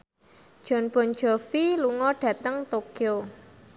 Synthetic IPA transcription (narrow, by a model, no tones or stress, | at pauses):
d̥ʒ̥ɔ̤nb̥ɔ̤n̥d͡ʒ̥ɔ̤filuŋɔɖ̥ä̤t̪əŋt̪okjo